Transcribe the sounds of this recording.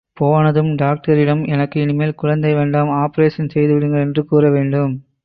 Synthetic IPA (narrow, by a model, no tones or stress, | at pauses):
poːʋaːnɐðɯmɖaːk̚ʈɐɾɪɽɐmɛnɐkːɯɪnɪmeːlkʊɻɐnd̪ɐɪʋeːɳɖaːmaːpɐɾeːʂɐnsɛjðɯʋɪɽɯŋɡɐɭɛndrɯkuːrɐʋeːɳɖɯm